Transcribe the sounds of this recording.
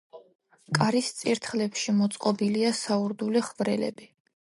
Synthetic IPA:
kʼaɾist̪sʼiɾt̪ʰχlɛpʃimɔt̪sʼqʼɔbiliasauɾd̪uliχvɾɛlɛ̰bi

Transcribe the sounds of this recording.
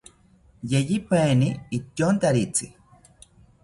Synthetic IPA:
jejipaeniit̪jont̪aɾit͡si

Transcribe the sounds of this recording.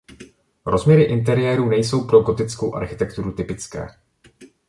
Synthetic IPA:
ɾo̞zmɲɛɾɪʔɪnt̪ɛɾɪjɛːɾuːnɛjso̞wpɾo̞ɡo̞t̪ɪt͡sko̞wʔa̰ɾxɪt̪ɛkt̪uɾut̪ɪpɪt͡skɛ̰ː

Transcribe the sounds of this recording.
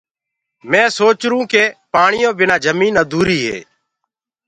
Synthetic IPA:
mɛ̃ːsoːt͡ʃɾũːkeːpaːɳɪjõːbɪnaːd͡ʒəmiːnaːd̪uːɾiːɦḛː

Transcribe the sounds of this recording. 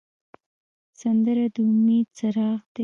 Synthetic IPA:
sand̪əɾad̪əʊmed̪̚saɾɑɣd̪e

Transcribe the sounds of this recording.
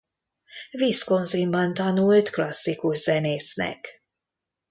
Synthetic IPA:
viːsko̞nzimbɒnt̪ɒnult̪klɒsːikuʒz̥ɛneːsnɛ̰k

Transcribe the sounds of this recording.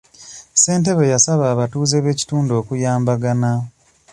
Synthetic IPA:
se̞ːnte̞βejasaβaːβatuːzeβe̞ːci̥tuːndo̞ːkujaːmbaɡana

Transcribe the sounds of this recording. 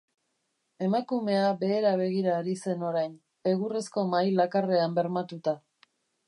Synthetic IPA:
e̞makume̞abe̞ːɾaβ̞e̞ɣ̞iɾaːɾise̞no̞ɾajn | e̞ɣuresko̞majlakare̞ambe̞ɾmat̪ut̪a

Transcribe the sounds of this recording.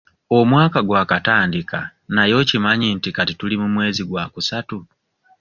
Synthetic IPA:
o̞mwaːkaɡwaːkataːndika̰najo̞cimaɲintikatitulimumwe̞ːziɡwaːkusatu

